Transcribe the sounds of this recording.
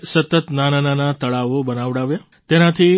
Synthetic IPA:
sət̪ət̪nanananat̪əɭaʋobənaʋɽaʋja | t̪enat̪ʰi

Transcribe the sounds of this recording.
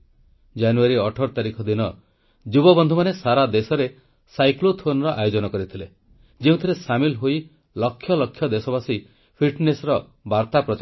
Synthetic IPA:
d͡ʒanuaɾiɔʈʰɔɾt̪aɾikʰɔd̪inɔ | d͡ʒubɔbɔnd̪ʱumanesaɾad̪esɔɾe | sajklot̪ʰonɔɾɔʔajod͡ʒɔnɔkɔɾit̪ʰile | d͡ʒiũt̪ʰiɾesamilɦoi | lɔkʰːjɔlɔkʰːjɔd̪esɔbasi | pʰiʈnesɔɾɔ | baɾt̪apɾɔt͡ʃ

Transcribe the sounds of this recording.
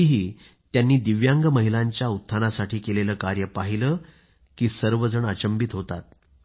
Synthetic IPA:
ɦiː | t̪janːiːd̪iʋjaŋɡəməɦilaɲt͡ɕjaut̪ʰːanasaʈʰiːkeleləːkaɾjəpaɦiləː | kiːsəɾʋəd͡zəɳat͡ɕəmbit̪ɦot̪at̪̚

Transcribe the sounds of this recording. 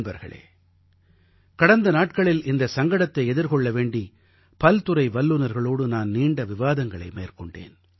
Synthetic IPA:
nbɐɾɣɐ̰ɭḛː | kɐɽɐnd̪ɐnaːʈ̚kɐɭɪlɪnd̪ɐsɐŋɡɐɽɐt̪ːɐɪɛðɪɾkɔɭːɐʋeːɳɖi | pɐlt̪ɯɾɐɪʋɐlːɯnɐɾɣɐɭoːɽɯnaːnniːɳɖɐʋɪʋaːðɐŋɡɐɭɐ̰ɪmeːrkɔɳɖḛːn

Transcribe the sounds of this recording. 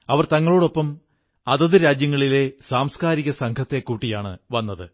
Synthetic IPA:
ɐʋɐrt̪ɐŋːɐɭoːɽo̞pːɐm | ɐðɐðɨɾaːd͡ʑjɐŋːɐɭile̞saːmskaːɾiɣɐsɐŋkʰɐt̪ːe̞kːuːʈːijaːɳɨ̰ʋɐnːɐðɨ̰

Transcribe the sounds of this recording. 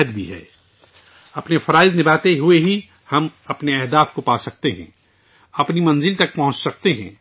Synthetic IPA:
d̪bʱiɦɛ̰ː | ɐpnefʰɐɾaːɪznɪbaːt̪eɦueɦi | hɐmɐpneɛɦd̪aːfkopaːsɐk̚t̪eɦɛ̰̃ː | ɐpnimɐ̃nzɪlt̪ɐk̚pɐ̃ɦʊ̃t͡ʃsɐk̚t̪eɦɛ̃ː

